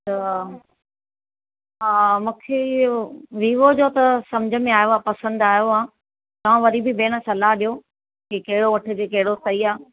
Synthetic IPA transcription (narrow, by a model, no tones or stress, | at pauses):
t̪ɐ | ɦaːmũːkʰe | ʋiːʋod͡ʑoːt̪ɐsɐmd͡ʑʱə̆mẽaːjoaːpɐsə̃nd̪aːjoãː | t̪ɐʋ̤ãʋɐɾibɪbeːɽ̃əsɐlaɦɗijo | kekɐɦɪɽoʋɐʈʰɪ̆d͡ʑeːkɐɦɪɽost̪ɐiaː